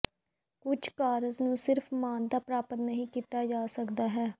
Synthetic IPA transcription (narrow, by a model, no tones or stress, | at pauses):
kʊt͡ʃʰkaːɾəznũːsɪɾfʰmaːnd̪aːpɾaːpət̪nəɦĩːkiːt̪aːd͡ʒaːsəkd̪aːɦɛː